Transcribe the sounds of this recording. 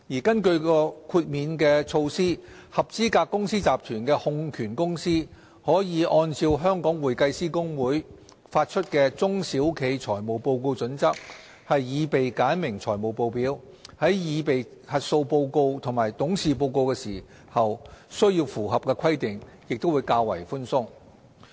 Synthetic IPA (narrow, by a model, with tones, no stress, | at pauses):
jiː˨˩kɐ˥nkɵ˧ɥkɔː˧kʰuː˧t̚miː˨˧nkɛː˧t͡sʰo˧wsiː˥ | hɐ˨p̚t͡siː˥kaː˧kːʊ˥ŋsiː˥t͡saː˨p̚t̪ʰyː˨˩nkɛː˧hʊ˧ŋkʰyː˨˩nkʊ˥ŋsiː˥ | hɔː˨˥jiː˨˧ʔɔː˧nt͡si˧wɦœː˥ŋkɔː˨˥ŋwuː˨˩jkɐ˧jsiː˥kʊ˥ŋwuː˨˥j | faː˧t̚t͡ʃʰɵ˥t̚kɛː˧t͡sʊ˥ŋsiː˨˥wkʰe˨˧jt͡ʃʰɔː˨˩jmo˨˩wpo˧wko˧wt͡sɵ˨˥nt͡sɐ˥k̚ | hɐ˨jːiː˨˧pe˨jkaː˨˥nmɪ˨˩ŋt͡sʰɔː˨˩jmo˨˩wpo˨˧wpiː˨˥w | hɐ˨˥jjiː˨˧pe˨j | hɐ˨t̚so˧wpo˧wko˧wt̪ʰʊ˨˩ŋmaː˨˩jt̪ʊ˨˥ŋsiː˨p̬o˧wko˧wkɛː˧siː˨˩ | hɐ˨wsɥjiː˧wfuː˨˩ɦɐ˨p̚kɛː˧kʰɐ˥jt̪ɪ˨ŋjɪ˨k̚t̪o˥wuː˨˧jkaː˧wɐ̰˨˩jfʊ˥nsʊ˥ŋ